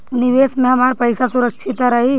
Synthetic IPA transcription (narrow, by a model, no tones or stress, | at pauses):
nɪʋeːsmẽɦɐmaːɾpɐɪsasʊɾəkʃʰɪt̪aɾɐɦi